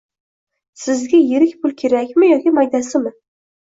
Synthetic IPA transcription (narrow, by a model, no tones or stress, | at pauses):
sɪzɡʲajeɾɪkʲpʰʊlˠkʲʰe̞ɾakʲmɪjɒkʲɪmajd̪asɪmɪ